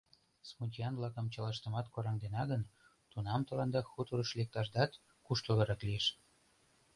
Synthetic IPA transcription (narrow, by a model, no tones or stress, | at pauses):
smut̪ʲiɑnvlɑkəmt͡ɕɑlɑʃt̪ə̆mɑt̪koɾɑŋd̪enɑɣən | t̪unɑmt̪olɑnd̪ɑxut̪uɾəʃlek̚t̪ɑʃd̪ɑt̪ | kuʃt̪əlɤɾɑklieʃ